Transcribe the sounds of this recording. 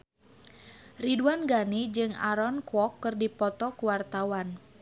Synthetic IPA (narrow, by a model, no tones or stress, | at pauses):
riduanɡanid͡ʒɨŋa̰ɾɔnkwɔkːɨrdipɔt̪ɔkuwart̪awan